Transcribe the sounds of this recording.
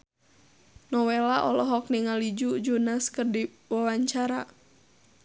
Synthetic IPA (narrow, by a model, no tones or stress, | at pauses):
nɔwelaʔɔlɔɦɔk̚niŋalid͡ʒud͡ʒunaskərdi | wawaɲt͡ʃaɾa